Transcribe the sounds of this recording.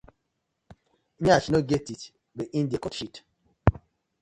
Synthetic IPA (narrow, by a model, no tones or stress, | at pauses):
ɲat͡ʃnoɡetit | beʔĩndiakɔtʃit